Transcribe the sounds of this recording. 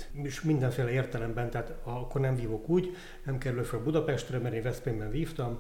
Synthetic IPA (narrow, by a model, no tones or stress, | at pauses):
iʃmind̪ɛnfeːlɛeːrt̪ɛlɛmbɛnt̪ɛɦaːt̪hɒɒkːo̞rnɛɱviːvo̞kuːɟ | nɛmkɛɾylfølbud̪ɒpɛʃt̪rɛmɛɾeːnvɛspembɛɱviːft̪ɒm